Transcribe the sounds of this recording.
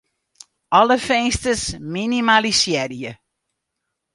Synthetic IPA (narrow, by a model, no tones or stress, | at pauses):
ʔɔləfɛnstəsminimalisjɛrijə